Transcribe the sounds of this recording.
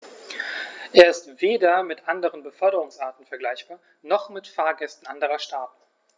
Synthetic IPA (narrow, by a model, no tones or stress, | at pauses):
ʔeːɐɪstv̥eːdɐmɪtʔandəʁənbəfœɐɾəʁ̞ʊŋsʔaːɐtn̩fɛɐɡlaɪçb̥aːɐ | nɔχmɪtfaːɐɡɛstn̩ʔandəʁɐʃtaːt